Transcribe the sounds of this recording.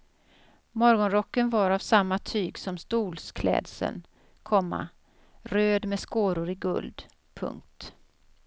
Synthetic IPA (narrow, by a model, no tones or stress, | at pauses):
mɔɾɡɔnɾɔkːənvaɾavsamːat̪ʰyːɡsɔmst̪uːlskʰlɛ̰ːd̪sə̰n | kʰɔmːa̰ | ɾøːd̪mɛskoːɾʊɾɪɡɵ̰ld̪ | pʰɵ̰ŋk̚t̪